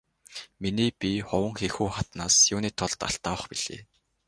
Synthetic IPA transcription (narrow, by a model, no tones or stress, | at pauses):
miniːpiχʊwə̆ŋxexuːχat̪naːsjʊːniːt̪ʰʊɮt̪a̰ɬt̪aːwə̆χpiɮ̥ḛː